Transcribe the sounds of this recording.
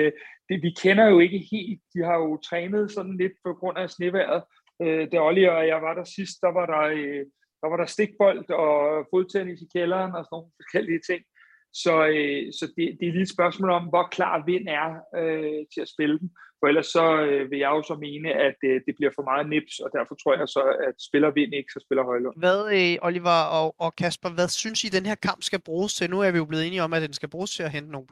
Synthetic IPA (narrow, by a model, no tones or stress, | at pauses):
d̥eʋikʰenɐjo̝e̝ɡ̥əhe̝̰ːld̥̚d̥ihɑ̈jo̝t͡sʰʁɛːnð̞̩ˠsɒ̽d̥n̩le̝d̥̚pʰɒ̽ɡ̥ʁɔ̽n̰æsne̝ʋæɐ̰ð̞̩ˠ | ød̥e̝ɒliɒjɑ̈ɪʋɑ̈ɾ̥æsisd̥ːɑ̈ʋɑ̈ɾ̥ɑ̈ø | d̥ɑ̈ʋɑ̈ɾ̥ɑ̈sd̥e̝ɡ̥̚b̥ɒ̽l̰d̥ɒ̽fo̝ðˠt͡sʰenisikʰelɐːnɒ̽sno̝ːnfɒ̽sɡ̥el̰iət͡sʰe̝ŋ̰ | sɒ̽øsɒ̽d̥e̝d̥e̝liːed̥sb̥ɶɐsmɔ̰ːlɒ̽mʋɒkʰlɑ̰̈ːʋe̝n̰æɐøt͡sʰe̝æsb̥e̝ləd̥en̩fɒ̽el̰ɐsːɒ̽ʋe̝jɑ̈ɪjo̝sɒ̽me̝ːnəæd̥əd̥e̝b̥liɐfɒ̽mɑ̈ːð̩ˠne̝b̥sɒ̽d̥æɐfɒ̽t͡sʰʁo̝ɐ̰jɑ̈ɪsɒ̽æd̥sb̥e̝lɐʋe̝n̰e̝ɡ̥sɒ̽sb̥e̝lɐɦɒ̽ɪlɔ̽ʋæðˠøʔɒliʋɑɒɒ̽kʰæsb̥ɐʋæðˠsynsid̥enɦe̝ɐ̰kʰɑ̈m̰b̥sɡ̥æb̥ʁuːst͡sʰe̝nuæɐʋijo̝̥le̝ðˠe̝ːniɒ̽mæd̥ensɡ̥æb̥ʁuːst͡sʰe̝æɦend̥əno̝ːnp